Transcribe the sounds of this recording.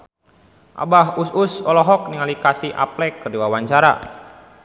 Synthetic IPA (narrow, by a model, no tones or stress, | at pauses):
ʔa̰baɦususɔlɔɦɔk̚niŋalikasiʔa̰plɛkərdiwawaɲt͡ʃaɾa̰